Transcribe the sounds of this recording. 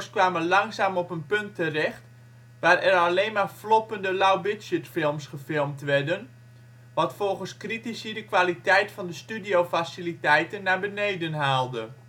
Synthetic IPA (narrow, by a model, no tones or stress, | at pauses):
skʋaːməlɑŋsaːmɔpənpɵntʰːərɛxt | ʋaːrɛraleːnmarflɔpəndəlawbɪtsətfɪlˠmsχəfɪlˠmtʋɛrdən | ʋɔtfɔlˠɣənskritisədəkʋalitɛjtfɔndəstydioːfasilitɛjtənːabənejdənɦaːlˠdə